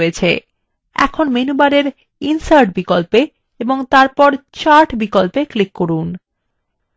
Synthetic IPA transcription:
et͡ɕʰḛ | ɛ̰kʰonmenubaɾeɾ | insaɾʈ̚bikolpe | eboŋt̪aɾpɔɾt͡ɕaɾʈbikolpeklikːoɾun

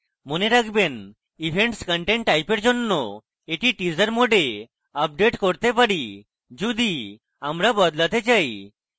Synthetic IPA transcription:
moneɾaɡʰben | ibʱeɳʈskəɳʈeɳʈːajpeɾd͡ʒonːɔ | eʈiʈizəɾmoɖe | ap̚ɖeʈkoɾt̪epaɽi | d͡ʒud̪i | amɾabɔd̪lat̪ed͡ʒaj

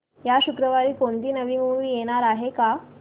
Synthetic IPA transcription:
jaɕukɾəʋaɾiːkoɳt̪iːnəʋiːmuʋiːjeɽ̃aɾaɦeka

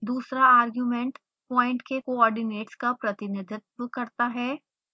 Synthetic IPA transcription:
d̪uːsɾaaːɾɡjuːmẽɳʈ | pɔ̃ːɪ̃ɳʈkekoɔːɾɖɪneːʈskapɾɐt̪ɪnɪd̪ʱɪt̪ʋəkɐɾt̪aɦɛː

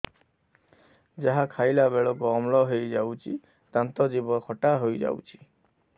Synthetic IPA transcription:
d͡ʒaɦakʰajlabeɭɔkɔɔmlɔɦejd͡ʒawt͡ʃʰḭ | t̪ant̪ɔd͡ʒibɔkʰɔʈaɦojd͡ʒa̰wt͡ʃʰi̥

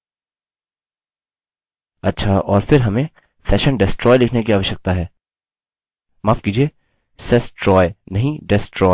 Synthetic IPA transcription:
ɐtːʃʰaɔːɾfɪɾɦɐmẽ | sɛːʃənɖɪsʈɾɔːjlɪkʰnekiaːʋəʃjək̚t̪aɦɛː | maːfkiːd͡ʒieː | sɛsʈɾɔːjnɐɦĩɖɪsʈɾɔː

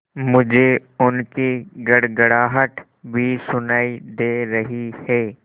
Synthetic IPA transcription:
mʊd͡ʒʱeʊnkiɡɐɽɡəɽaːɦəʈ | bʱisʊnaːid̪eːɾɐɦihɛː

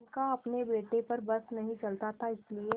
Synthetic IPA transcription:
nkaɐpnebeːʈepɐɾbɐsnɐɦĩt͡ʃɐlt̪at̪ʰaɪslie

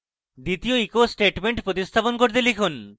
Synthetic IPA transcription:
d̪it̪ioikosʈeʈmeɳʈpɾot̪ist̪ʰaponkoɾt̪elikʰun

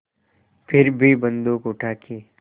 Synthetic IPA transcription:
pʰɪɾbʱibə̃nd̪okʊʈʰaːkʰi

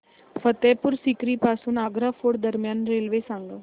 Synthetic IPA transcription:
fət̪epuɾsikɾiːpaːsuːnaːɡɾafoːɽd̪əɾmjaːnɾelʋesãŋɡə

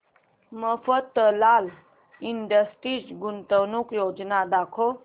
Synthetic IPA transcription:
məfət̪ːəlal | iɳɖəsʈisɡunt̪əwnukjod͡ʒnad̪akʰo

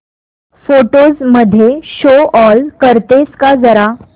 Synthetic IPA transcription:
foʈozməd̪ʱːjeɕoɔlkəɾt̪eskad͡zəɾa

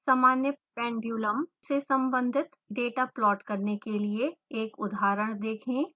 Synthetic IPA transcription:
saːmaːnjə | ɾɛ̃ːɳbjuːləmsesɐ̃mbə̃nd̪ʱɪt̪ | ɖeːʈaplɔːʈkɐɾnekelieeːkʊd̪ʱaːɾəɽ̃d̪eːkʰẽː

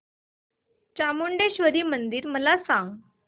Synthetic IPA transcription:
t͡ɕamoɳɖeɕʋəɾiːmənd̪iːɾməlasãŋɡ

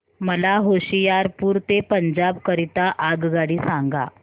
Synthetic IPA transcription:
məlaɦoɕijaɾpuːɾt̪epəɲd͡ʑabkəɾit̪aʔaɡɡaɽiːsãŋɡa̰

